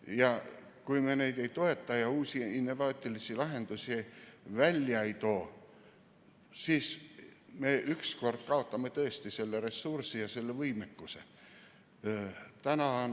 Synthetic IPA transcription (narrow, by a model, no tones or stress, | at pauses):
jɑ | kuimenejd̪ejt̪oe̞t̪ːɑjɑuːsʲiinːo̞vɑːt̪ʲːˑilisilɑɦe̞nd̪̥usievælʲːjɑit̪oː | siːsmeʔyksko̞rd̪̥kɑo̞t̪ːɑmːet̪ɤest̪iselːeresːursijɑselːevɯimekːusḛ | t̪ænɑn